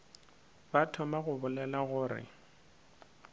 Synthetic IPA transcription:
batʰɔmaɣʊbʊlɛlaɣʊːrɪ̰

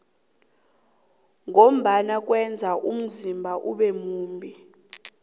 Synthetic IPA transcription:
ŋom̩ɓanak̬ʼwɛnd͡zʱaʔum̩zimbʱaʔṵɓɛmuːmbʱi

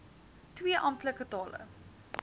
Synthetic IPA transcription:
twiəʔɑmtləkətɑːlə̰

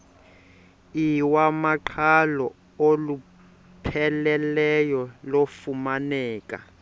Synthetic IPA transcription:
iwamaǃʰalɔ | olu | pʰɛlɛlɛjɔlofumanɛːkʼa̰

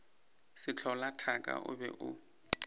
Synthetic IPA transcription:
sɪt͡ɬʰɔlatʰakʼa̰ʔʊ̰bɛ̰ʔʊ

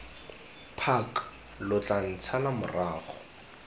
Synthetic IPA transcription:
pʰak | lʊt͡ɬan̩t͡sʰalamʊraːχɔ

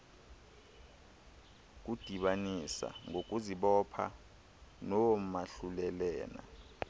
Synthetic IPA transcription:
k̬ud̥ʱiɓanisa̰ŋʱok̬ʼuziɓɔpʰa̰ | nɔwmaɬulɛlɛːna̰

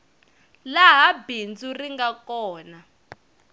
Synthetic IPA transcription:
laɦabind͡zuriŋɡakɔːna

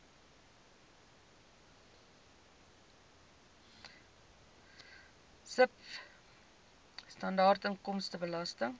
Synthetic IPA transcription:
səp | stɐndɑːrtəŋkɔmstəbəlɐstəŋ

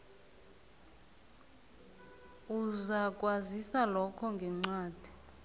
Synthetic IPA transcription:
uzak̬ʼwazisalɔkʰɔŋɡʱɛŋ͡ǀaːd̥ʱi

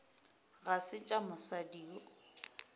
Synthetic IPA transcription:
ɣasɪt͡ʃʼamʊsadiːɔ

